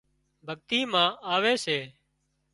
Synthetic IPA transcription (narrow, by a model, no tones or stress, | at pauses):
bʱəɠt̪iːmãːʔaːʋeːseː